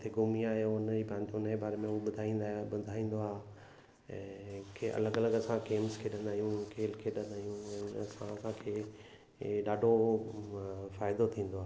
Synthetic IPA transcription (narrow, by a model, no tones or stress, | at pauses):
t̪ʰeɡʊmiaːɦjoʊnd͡ʑibʱãːnt̪ʊnəd͡ʑebaːɾemẽʊɓʊd̪ʱaːĩːnd̪aɓʊd̪ʱaːĩːn̆d̪oaːɦ | ɛ̰̃ːkʰeɐ̰ləɡɐləɡɐsãkeːmzkʰeɗɐ̃nd̪aːijũkʰeːlkʰeɗɐ̃nd̪aːɦijũɛ̃ːɐsãɐsãkʰeː | ɗaːɖʱo | faːɪd̪ot̪ʰĩːnd̪oaː